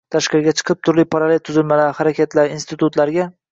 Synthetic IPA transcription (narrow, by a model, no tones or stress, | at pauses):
t̪ʰaʃqɪɾɡʲat͡ʃʰɨ̥qʰɨp̚t̪ʰʊɾlɪpʰaɾalelt̪ʰʊzɪlmalaɾhaɾakʲat̪ʰlaɾinst̪ʰɪt̪ʊt̪laɾɡʲa